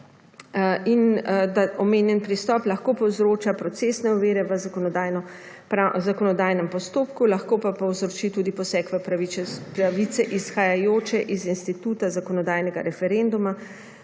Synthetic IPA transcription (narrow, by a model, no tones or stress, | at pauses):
ind̪aʔɔmeːnjɛnpɾist̪ɔːplɐxkopɔwzɾoːt͡ʃapɾɔsesnɛɔʋeːɾɛʋəzakɔnɔd̪ajnɔ | pɾazakɔnɔd̪aːjnɛmpɔst̪oːpkulaxkoːpapɔwzɾɔt͡ʃit̪uːd̪ipɔsɛkʋɛ | pɾaʋisɛʔisxajajoːt͡ʃɛʔizinst̪it̪uːt̪azakɔnɔd̪aːjnɛɡa̰ɾɛfɛɾend̪uma